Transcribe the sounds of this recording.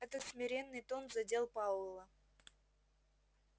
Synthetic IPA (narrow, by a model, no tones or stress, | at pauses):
ɛt̪ət̪smʲɪɾʲe̞nːɨjt̪onzɐdʲe̞lˠpaʊlˠə